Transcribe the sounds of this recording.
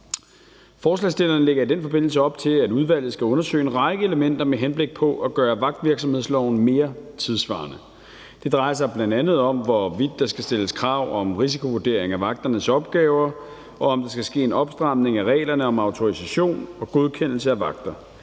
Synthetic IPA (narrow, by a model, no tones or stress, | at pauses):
fɒːslɛsd̥e̝lɐːnle̝ɡ̥ɐid̥enfɒ̽b̥e̝n̰l̩s̬əɒ̽b̥t͡sʰe̝læduð̞ˠʋæl̰ð̩ˠsɡ̥æɔ̽nɐsø̰ːɪenʁɑ̈ɪɡ̥əeləmen̰d̥ɐmeɦenb̥le̝ɡ̥̚pʰɒ̽ʔæɡ̥ɶːɐʋɑ̈ɡ̥̚d̥ʋiɐɡ̥s̬ɒmhe̝ð̰ˠslɒʊ̰n̩me̝ːɐt͡sʰið̞ˠsʋɑ̰̈ːnə | d̥e̝d̥ʁɑ̈ɪɐs̬ɑ̈ɪb̥lænd̥ænð̞̩ˠɒ̽mʋɒʋid̥ːɑ̈sɡ̥æsd̥e̝ləskʰʁɑ̈ʊ̰ɒ̽mʁis̬ikʰo̝ʋuɐd̥e̝ɐ̰e̝ŋæʋɑ̈ɡ̥̚d̥ɐnəsɒ̽b̥̚ɡ̥ɛːʊɐ | ɒ̽ɒmd̥ɑ̈sɡ̥æsɡ̥e̝̰ːenɒ̽b̥sd̥ʁɑ̈m̰ne̝ŋæʁɛ̰ːlɐnəɒ̽mɑ̈ʊt͡sʰo̝ʁisæɕo̝̰ːnɒ̽ɡ̥o̝ð̞ˠkʰen̰l̩səæʋɑ̈ɡ̥̚d̥ɐ